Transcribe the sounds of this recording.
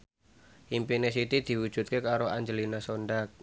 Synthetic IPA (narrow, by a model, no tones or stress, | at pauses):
ʔimpines̬it̪id̪̥i̤wud̥ʒ̥ṳt̪̚kekaɾoaɲd͡ʒəlinasoɳɖak̚